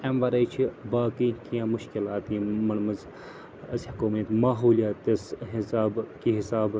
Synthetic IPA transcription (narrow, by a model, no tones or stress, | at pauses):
emʋɐɾɐjt͡ʃʰibaːkiːk̪ʰiãːmʊʃkilaːt̪ĩːmɐɳmɐz | ɐshɐkuːmit̪maːɦuːlijaːt̪ɐsɦisaːbkiɦɪsaːb